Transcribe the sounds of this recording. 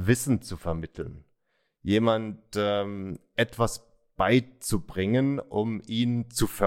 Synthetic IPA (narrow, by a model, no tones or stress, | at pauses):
vɪsn̩t͡sufɛɐmɪtʰl̩n | jeːmantɛmʔɛtv̥as | b̥aɪt͡subʁɪŋənʔʊ̰miːnt͡sufɛ